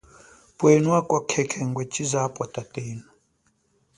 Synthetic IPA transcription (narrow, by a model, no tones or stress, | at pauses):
pʼwenwakʼwakʰɛkʰɛŋɡwɛt͡ʃʼizapʼwatʼatʼeːnu